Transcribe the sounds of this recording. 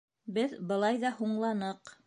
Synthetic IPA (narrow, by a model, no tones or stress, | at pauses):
bɘðbɤ̆lˠɑjðɑhuɴlˠɑnɤq